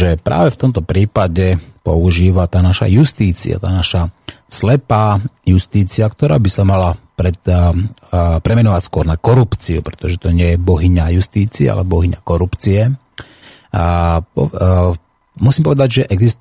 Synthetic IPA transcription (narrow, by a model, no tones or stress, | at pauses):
ʒɛpɾʔa̰ːʋɛft̪ɔmt̪ɔpɾiːpaɟɛpɔ̰uʒiːʋat̪aːnaʃa̰just̪iːt͡sḭa̰t̪aːnaʃa | slɛpaːjust̪iːt͡siakt̪ɔɾa̰ːbisamalapɾɛt̪ | pɾɛmɛnɔʋacskʊɔɾnakɔɾupt͡siṵpɾɛ̥t̪ɔʒɛt̪ɔɲɪɛjɛbɔɦiɲajust̪iːt͡siɛ̰a̰lɛbɔɦiɲa̰kɔɾupt͡siɛ | pɔ | musiːmpɔʋɛd̪aɟʒɛʔɛɡzis